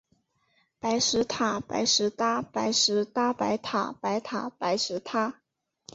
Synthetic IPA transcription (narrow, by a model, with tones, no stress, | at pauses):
pa˧˥ɪʂɻ̩˧˥t̪ʰa˨˩˦pa̰˧˥ɪʂɻ̩˧˥t̪a˥pa˧˥ɪʂɻ̩˧˥t̪a˥pa˧˥ɪt̪ʰa̰˨˩pa˧˥ɪt̪ʰa˨˩pa˧˥ɪʂɻ̩˧˥t̪ʰa˥